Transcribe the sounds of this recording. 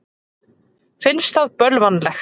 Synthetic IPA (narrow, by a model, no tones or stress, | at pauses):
fɪnst̪aðpœlvanlɛx